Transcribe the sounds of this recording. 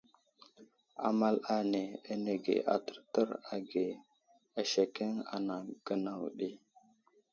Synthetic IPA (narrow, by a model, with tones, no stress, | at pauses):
a̰˨ma˦la˦ne˨a˦ne˨ɡḛ˨ʔa˨tə̥˨ɾtə˦ɾa˨ɡe˨ | a˨ʃe˨ke˦ŋa̰˨na˨ɡ̥ə˦na˨wɗi˦